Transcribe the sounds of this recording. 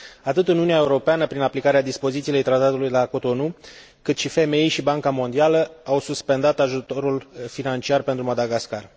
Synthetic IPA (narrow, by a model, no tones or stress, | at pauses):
at̪ɨt̪ɨnuniae̞uɾo̞peanəpɾinaplikaɾead̪ispo̞zit̪sile̞jt̪ɾat̪at̪ulujlako̞t̪o̞nu | kɨt̪ʃife̞me̞jʃibaŋkamo̞nd̪ialəawsuspe̞nd̪at̪aʒut̪o̞ɾulfinant͡ʃiarpe̞nt̪ɾumad̪aɡaskar